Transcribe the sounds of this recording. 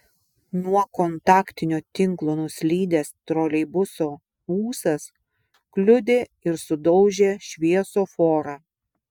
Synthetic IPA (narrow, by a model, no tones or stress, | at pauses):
nuɔkɔnt̪ɑːkt̪ʲɪnʲoːt̪ʲɪŋklˠoːnʊsʲlʲiːd̪ʲest̪ɾoːlʲɛɪbʊsoː | uːsɐs | klʲʊd̪ʲeːɪɾsʊd̪ɒʊʒʲeːʃʲʋʲiɛsoːfoːɾɑː